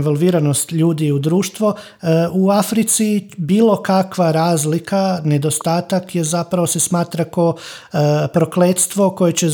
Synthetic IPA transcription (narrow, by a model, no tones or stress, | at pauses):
ʋolˠʋiːɾanost̪ʎuːd̪iud̪ɾuːʃt̪ʋo̞ | uafɾit̪sibiːlˠo̞kakʋaɾaːzlikane̞d̪o̞st̪aːt̪akje̞zapɾaʋo̞sesmaːt̪ɾako | pɾo̞kleːt̪st̪ʋo̞ko̞jet͡ɕe